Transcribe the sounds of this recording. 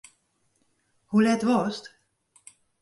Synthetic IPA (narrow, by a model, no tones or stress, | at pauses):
hulɛtʋɔst